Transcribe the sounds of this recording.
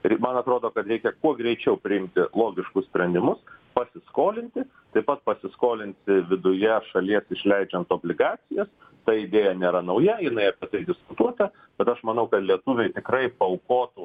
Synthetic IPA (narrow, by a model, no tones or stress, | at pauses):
mɐnɐt̪ɾoːd̪oːkɐt̪ɾʲɛɪkʲɛkuɔɡɾʲɛɪt͡ʃʲɛʊpʲɾʲɪɪmʲt̪ʲɪlˠoːɡʲɪʃkʊssʲpʲɾʲɛnʲd̪ʲɪmʊspɐsʲɪskoːlʲɪnʲt̪ʲɪ | t̪ɐɪpɐt̪̚pɐsʲɪskoːlʲɪnʲsʲɪʋʲɪd̪ʊjɛʃɐlʲiɛsɪʃʲlʲɛɪd͡ʒʲɛnt̪oːbʲlʲɪɡɑːt͡s̪ʲɪjɛs | t̪ɐɪd̪ʲeːjɛnʲeːɾɐnɐʊjɛjɪnɐɪɐpʲiɛt̪ɐɪd̪ʲɪskʊt̪uɔt̪ɐ | b̥ʲɛt̪ɐʃmɐnɐʊkɐt̪lʲiɛt̪ʊʋʲeːt̪ʲɪkɾɐɪpɐʊkoːt̪u